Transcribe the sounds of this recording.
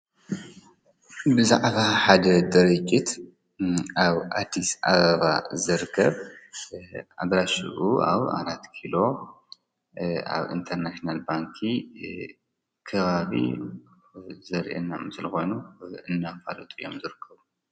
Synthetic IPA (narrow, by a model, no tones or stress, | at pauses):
bɨzaʕβaħad̪ɐd̪ɐɾɨt͡ʃʼːit̪ | aβʔad̪ːisʔaβɐβazɨɾkʰːɐβ | a̰d̪ɾaʃɨ̰ʔua̰βa̰ɾat̪kʰilo̞ | a̰βḭnt̪ʰɐɾnaʃnalbaŋkʰi | kʰɐβaβḭ | zɐɾʔḛnːamsɨlxo̞jnuɨnːafalot̪ʼijo̞̰mzɨɾɨkʰːɐβu